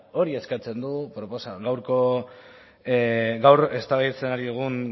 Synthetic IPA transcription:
o̞ɾie̞skat͡se̞nd̪upɾo̞po̞saɣawɾko̞ | ɡawɾe̞st̪aβejt͡se̞naɾiuɣ̞un

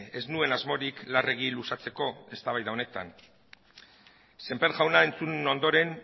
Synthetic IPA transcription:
e̞znue̞nazmo̞ɾiklare̞ɣ̞ilusat͡se̞ko̞e̞st̪aβajðao̞ne̞t̪a̰n | se̞mpeɾɣawnae̞nt͡suno̞nd̪o̞ɾe̞n

